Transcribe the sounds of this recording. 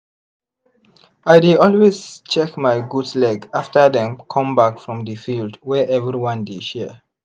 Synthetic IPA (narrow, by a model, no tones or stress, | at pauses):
ajdidɔlwezt͡ʃɛkmajɡudslɛɡaftədɛ̃mkʰɔ̃mbakfɹɔ̃mdəfildwɛʔɛvɹiwãndeʃɛ